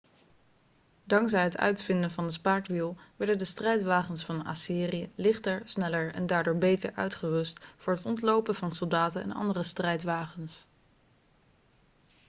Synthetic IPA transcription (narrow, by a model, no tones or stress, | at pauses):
dɑŋkzɛjɦətœ̰ɥtfɪndəvɑndəspaːɹkʋilˠʋɛɹdəndəstrɛjtʋaːχənsfɑna̰siːriəlɪχtəɹsnɛləɹɛ̰ndaːɹdʊːɹbejtə̰ɹʔœ̰ɥtχəʋɵstfʊːɹɦətɔntlowpəvɑnsɔlˠdaːtənɛ̰nɑ̰ndərəstrɛjtʋaːχəns